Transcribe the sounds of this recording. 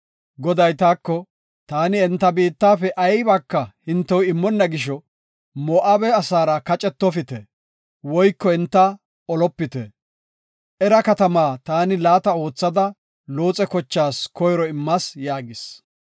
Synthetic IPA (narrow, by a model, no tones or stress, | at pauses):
ɡɔd̪ɐjt̪aːkːɔ | t̪aːnɪɛnt̪ːɐbiːt̪ːaːfɛʔɐjbɐkːɐhɪnt̪ːɛwɪmːɔnːɐɡɪʃ̬ɔ | mɔːʔɐbɛɐsaːɾɐkɐt͡ʃʼɛt̪ːɔfɪt̪ɛ | wɔjkːɔɛnt̪ːɐ | ɔlɔpːɪt̪ɛ | ʔɛɾɐkɐt̪ɐmaːt̪aːnɪlaːt̪ɐo̞ːt͡sːɐd̪ɐ | lo̞ːt͡sʼɛkɔt͡ʃːaːskɔjɾɔɪmːɐsjaːɡɪs